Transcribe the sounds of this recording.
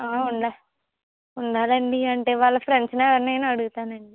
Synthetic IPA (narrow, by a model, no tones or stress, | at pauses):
aːuɳɖa | uɳɖaːlɐɳɖiɐɳʈeːʋaːɭːɐpɾeɳɖsneːɐnːeːnuɐɽuɣut̪aːnɐɳɖi